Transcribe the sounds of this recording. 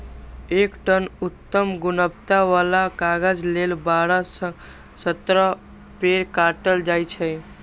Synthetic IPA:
ekʈənut̪ːəmɡunəpt̪aʋalakaɡəd͡ʒlelbaɾəsə̃ | sət̪ɾə | peɾkaʈəld͡ʒajt͡ʃʰɛ

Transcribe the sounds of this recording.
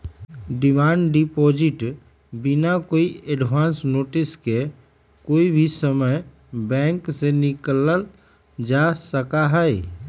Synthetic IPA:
ɖimaːɳɖɖipoːd͡ʒiʈ | binakoːieɖʋaːnsnoːʈiske | koːibʱisəməj | bɛ̃ŋksenikləl | d͡ʒasəkaɦɛj

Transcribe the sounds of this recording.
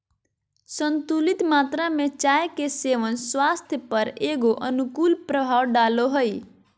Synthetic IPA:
sənt̪ulit̪mat̪ɾamet͡ʃajkeseʋənswast̪ʰjəpəɾeɡoʔənukulpɾəbʱawɖaloɦoj

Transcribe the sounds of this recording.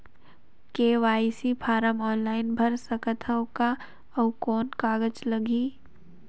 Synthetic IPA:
keːʋaːisipʰaːɾəmɔːnlaːɪnbʱɐɾsəkət̪ʰəwka | ɐwkɔːnkaːɡəd͡ʒlɐɡiː

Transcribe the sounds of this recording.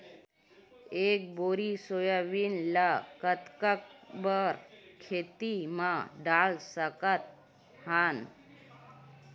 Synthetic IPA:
ek̚boɾisojaʋinlakət̪kək̚bəɾkʰet̪imãɖalsəkət̪̚ | han

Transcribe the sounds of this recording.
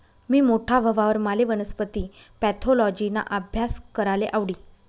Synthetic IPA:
miːmoʈʰabʱəʋaʋəɾmaleʋənəspət̪iː | pɛt̪ʰolɔd͡ʑina̰ʔəbʱjaskəɾaleʔaʋɽiː

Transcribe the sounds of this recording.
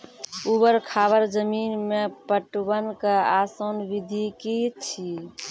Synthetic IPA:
ubəɾkʰaβəɾd͡ʒəminmepəʈbənkeasonbid̪ʱikit͡ʃʰi

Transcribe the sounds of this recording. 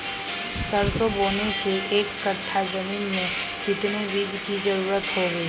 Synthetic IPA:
səɾsoboːnekeʔeːkːəʈʰːad͡ʒɐmiːnmẽɪt̪nebiːd͡ʒkid͡ʒɐɾuːɾət̪ɦoɡəiː

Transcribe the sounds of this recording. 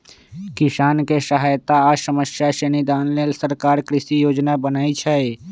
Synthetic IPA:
kɪsaːnkesəɦaːjt̪asəməsjaʃənid̪aːnlelsəɾkaːɾkɾɪʃijoːd͡ʒnabənaːit͡ʃʰɛe

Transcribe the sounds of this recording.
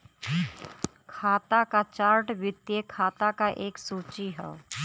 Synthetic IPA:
kʰaːt̪akat͡ʃaːɾʈʋɪt̪jekʰaːt̪akaʔeːksuːt͡ʃiɦɛ̰

